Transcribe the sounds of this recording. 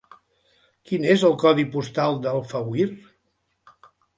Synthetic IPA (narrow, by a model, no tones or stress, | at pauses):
kinezəlˠkɔðipust̪alˠd̪əlˠfəwir